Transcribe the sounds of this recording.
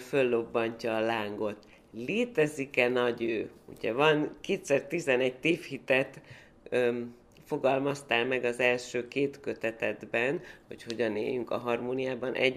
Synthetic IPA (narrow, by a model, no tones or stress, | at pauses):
fø̞lːo̞bːɒɲcɒːlaːŋɡo̞t̪ | leːt̪ɛzikɛnɒɟøːṵɟɛvɒnkeːt̪sɛrt̪izɛnɛɟ̚t̪eːfhit̪ɛt̪ | fo̞ɡɒlmɒst̪aːlmɛɡɒzɛlʃøːkeːt̪kø̞t̪ɛt̪ɛd̪bɛnho̞̰cho̞ɟɒnḛːjyŋkɒ̰ɦɒrmoːnijaːbɒnʔɛ̰ɟ